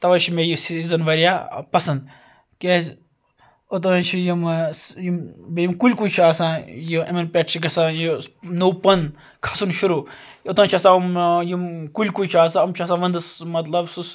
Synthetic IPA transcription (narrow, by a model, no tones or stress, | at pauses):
t̪ɐʋɐt͡ʃʰimejisizɐnʋɐɾijapɐsɐnd̪ | kʲez | ot̪̬ɐt͡ʃʰijimjimbejimkulʲkujt͡ʃʰiaːsãːjiɐminpʲeʈt͡ʃʰiɡɐsãːjinoːpɐn | kʰɐ̥sunʃuɾuː | ot̪ɐ̃ːnt͡ʃʰɐsãːmjimkulʲkujt͡ʃʰiaːsãɐmt͡ʃʰɐsãːʋɐnd̪ɨsmɐt̪lɐbsus